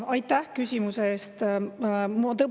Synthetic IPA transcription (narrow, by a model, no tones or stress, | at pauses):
ɑjt̪ːæhkysʲimuseeːst̪ | mot̪ɤ